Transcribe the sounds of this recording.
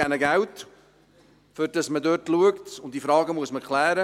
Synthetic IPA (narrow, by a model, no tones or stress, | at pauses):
ænəɡæwt | fʏɾd̥ɑsmədøːtluəktʊnt̚d̥ifɾɑːɡəmuəsməkʰlæːɾə